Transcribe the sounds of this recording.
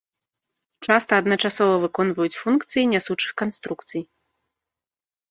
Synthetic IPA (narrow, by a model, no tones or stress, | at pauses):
t͡ʂast̪ɐːd̪nɐt͡ʂasɔvɐvɨkɔnvɐjut͡sʲfunkt̪sɨjinʲasut͡ʂɨxkanst̪ɾukt̪sɨj